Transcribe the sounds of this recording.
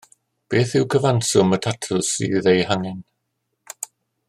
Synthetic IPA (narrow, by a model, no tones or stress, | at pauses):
b̥eːθɪwkʰəvansʊmətʰatʰʊsḭðejhaŋɛn